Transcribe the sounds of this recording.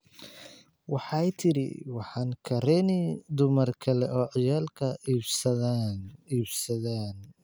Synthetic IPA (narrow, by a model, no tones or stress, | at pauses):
wɑħɑjt̪ʰɪɾɪ̰wɑħɑːŋkʰɐɾɛnɪd̪ʊmɐrkʰɐlɛʔɔːʕɪjaːlkʰɐ | iːbsɐðaːn